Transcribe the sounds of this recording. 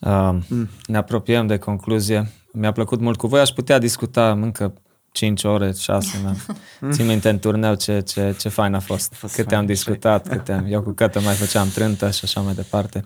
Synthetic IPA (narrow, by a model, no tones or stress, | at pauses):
əne̞apɾo̞piəmd̪e̞kʰo̞ŋkluzije̞ | mʲapləkut̪mult̪̚kuvo̞jaʃput̪ead̪iskut̪aɨŋkə | t͡ʃint͡ʃoɾe̞ʃa̰semasimint̪ent̪urne̞wt͡ʃe̞t͡ʃe̞t͡ʃe̞fajnafo̞st̪kɨt̪eamd̪iskut̪at̪kɨt̪ːeamjewkukət̪əmajfət͡ʃamt̪ɾɨnt̪əʃiaʃamajd̪e̞part̪e̞